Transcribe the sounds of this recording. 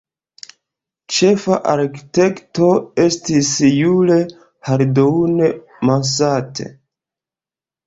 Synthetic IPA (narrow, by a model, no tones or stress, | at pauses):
t͡ʃe̞fa̰ʔaɾki̥te̞kto̞e̞stisjule̞ | haɾdoune | mas̬atʰḛ